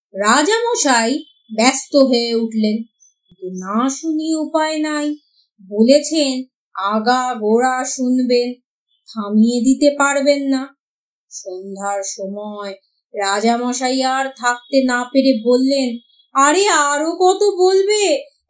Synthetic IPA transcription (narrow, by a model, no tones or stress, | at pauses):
ɾad͡ʑamɔʃaj | bɛst̪oɦoeuʈlen | kint̪unaʃuniupaenaj | bolet͡ɕʰen | aɡaɡoɽaʃunben | t̪ʰamijed̪it̪epaɾbenːa | ʃond̪ʱaɾʃɔmɔe | ɾad͡ʑamɔʃajaɾt̪ʰak̚t̪enapeɾebolːen | aɾeaɾokɔt̪obolbe